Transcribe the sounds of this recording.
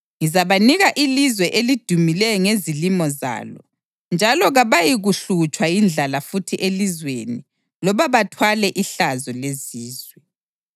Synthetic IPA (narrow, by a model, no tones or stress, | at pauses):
ŋizaβaniɣaʔilizwɛʔelid̥ʱumilɛjɔŋezilimɔza̰ːlɔ̰ | nd͡ʒʱalɔɣaβajiɣuɬut͡ʃʼwajind͡ɮʱalafutʰiʔelizweni | lɔβaβatʰwalɛʔiɬazɔleziːzwɛ